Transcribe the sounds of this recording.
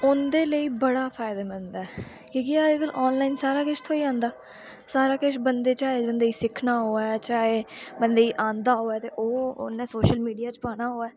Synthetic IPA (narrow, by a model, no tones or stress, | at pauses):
ʊnd̪eːləiːbəɽaːpʰaːɪd̪aːmənd̪aːɛː | kõːkɪaːɡəlʔɔːnlaːɪnsaːɾaːkɪʃt̪ʰoːiːãːnd̪aː | saːɾaːkɪʃbənd̪eːt͡ʃaːɦebənd̪eːiːsɪkʰnaːɦoːaɛt͡ʃaːɦeːbənd̪eːiːʔãːnd̪aːɦoːɛːt̪eːʔoːʊ̰nːẽːsoːʃəlmiːɖijaːt͡ʃpaːɽaːɦoːaː